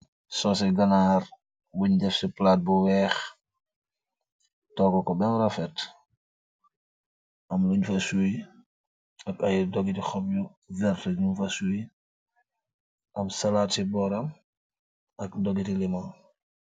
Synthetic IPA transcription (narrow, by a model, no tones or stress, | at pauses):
sɔsɛɡanaːɾ | wuɲɟɛfsiplaːt̚buwɛːx | tɔːkɔkɔbɛnɾafɛt | ʔamluɲfasui | akajdɔɡitixɔpju | vɛɾtɛd͡ʒunfasui | ʔamsalatibɔɾam | akdɔɡitilimɔn